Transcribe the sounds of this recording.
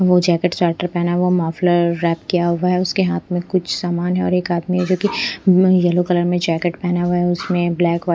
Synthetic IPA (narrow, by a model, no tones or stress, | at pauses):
ʋod͡ʒɛːkeʈsaːʈəɾpɛɦnaʋomaːfləɾːɛːpkijaɦʋaɦɛʊskeɦaːt̪ʰmẽkʊt͡ʃʰsaːmaːnɦɛɔ̰ːɾeːkaːd̪miɦɛd͡ʒoːki | jɐlokɐləɾmẽd͡ʒɛːkeʈpɛɦnaʋɐɦɛʊsmẽblɛːkʋaː